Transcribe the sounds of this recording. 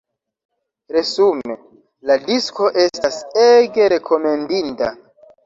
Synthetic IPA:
ɾe̞sume | ladisko̞ʔe̞staseɡe̞ɾe̞kʰo̞me̞ndinta̰

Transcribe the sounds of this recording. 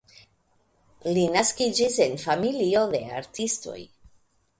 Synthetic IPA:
linaskid͡ʒise̞nfamilio̞de̞̰a̰ɾtisto̞̰j

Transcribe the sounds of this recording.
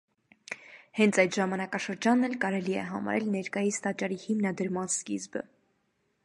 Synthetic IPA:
hɛnt͡sʰɑjt̪ʒɑmɑnɑkɑʃəɾd͡ʒɑnːɛlkɑɾɛliɛ̰ɦɑ̰mɑ̰ɾɛlnɛɾkɑjist̪ɑt͡ʃɑɾihimnɑd̪əɾmɑnskizbə̰

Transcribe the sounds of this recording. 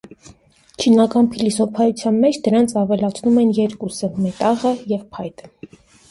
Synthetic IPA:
t͡ʃʰinɑkɑnpʰilisɔpʰɑjut͡sʰjɑnmɛt͡ʃʰd̪əɾɑnt͡sʰɑvɛlɑt͡sʰnumɛnjɛɾkusəmɛt̪ɑʁəjɛvpʰɑjt̪ə̥

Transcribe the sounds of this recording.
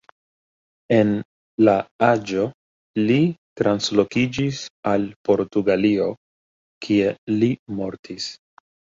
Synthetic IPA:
e̞n | laad͡ʒo̞ | litɾanslo̞kid͡ʒisalpo̞ɾtuɡalio̞ | kʰie̞limo̞ɾtʰis

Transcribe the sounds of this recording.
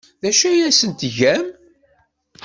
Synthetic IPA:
ðæʃæjæsənt̪ʝæm

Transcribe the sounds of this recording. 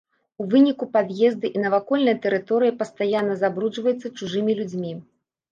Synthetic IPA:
uvɨnʲikupad̪jɛzd̪ɨʔinɐvakɔlʲnɐjɐt̪ɛɾɨt̪ɔɾɨjipɐst̪ajanːɐzabɾud͡ʐvɐjut̪sːɐt͡ʂuʐɨmʲilʲud͡zʲmʲi

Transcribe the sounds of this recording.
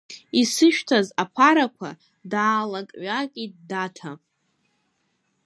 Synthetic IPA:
isɨʃᶣtʰazapʰaɾakʷʰa̰ | daːlakʼɥakʲʼit̚datʰa

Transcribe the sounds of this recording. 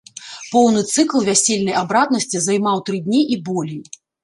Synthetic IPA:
pɔwnɨt̪sɨklˠvʲasʲelʲnɐjabɾad̪nɐsʲt͡sʲizajmawt̪ɾɨd̪ʲnʲiʔibɔlʲej

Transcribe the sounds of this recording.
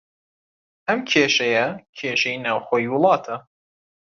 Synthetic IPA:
ʔɐmkʰeːʃɐjɐkʲʰeːʃejinaːwxoːjiwʊlˠɑːt̪ʰɐ

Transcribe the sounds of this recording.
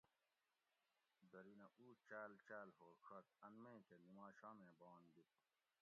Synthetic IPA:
d̪ɐɾinɐʔuːt͡ɕaːlt͡ɕaːlɦoːɾkʰɐt̪̚ɐnmẽĩt̪ʰenimaːɕaːmẽːbɑːnd̪ip̪̚

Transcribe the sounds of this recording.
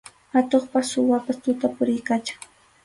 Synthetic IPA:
hat̪oχpassʊwapast̪ʊt̪apʊɾɪjkat͡ʃḁŋ

